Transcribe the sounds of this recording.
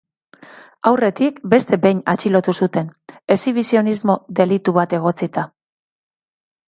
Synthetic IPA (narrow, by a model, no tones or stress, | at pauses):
awre̞t̪ikbe̞st̪e̞be̞jɲa̰t͡ʃilo̞t̪usut̪e̞nesiβisio̞nizmo̞ðe̞lit̪uβat̪e̞ɣ̞o̞t͡sit̪a